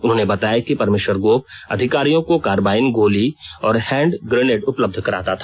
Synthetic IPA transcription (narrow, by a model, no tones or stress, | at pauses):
ʊnɦõːnebɐt̪aːjakipɐɾmeːʃwəɾɡoːp̚ɐ̰d̪ʱɪkaːɾijõkokaːɾʋaːɪnɡʱoːliɔːɾhɛ̃ːɳɖɡɾeːneːʈʊpləb̚d̪ʱkɐɾaːt̪at̪ʰaː